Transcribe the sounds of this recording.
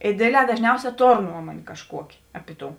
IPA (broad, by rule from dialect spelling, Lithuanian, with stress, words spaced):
ɪ ˈdʲeːdʲˌlʲɛː dɐʒʲˈnʲɛʊsʲɛː ˈtoːr ˈnuɔmuɔnʲeː kɐʃˈkuɔkʲeː ˈɑːpʲɪ ˈtoːʊ